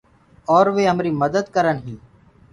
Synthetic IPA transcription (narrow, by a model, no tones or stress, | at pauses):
ɔːɾʋeːɦəmɾiːməd̪əd̪kəɾənɦĩː